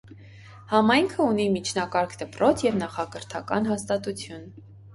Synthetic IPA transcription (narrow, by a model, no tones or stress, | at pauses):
hɑmɑjŋkʰəunimit͡ʃʰnɑkɑɾkʰd̪əpɾɔt͡sʰjɛvnɑχɑkəɾt̪ʰɑ̰kɑ̰nɦɑst̪ɑt̪ut͡sʰjun